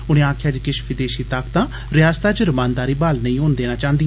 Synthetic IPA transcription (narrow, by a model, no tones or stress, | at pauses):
ʊɽ̃ẽːaːkʰjaːd͡ʒkɪʃpʰiːd̪eːʃiːt̪akt̪ãː | ɾɪjaːst̪aːd͡ʒəɾmãːnd̪aːɾiːbaːlnəĩːɦõːnd̪eːnaːt͡ʃãːnd̪i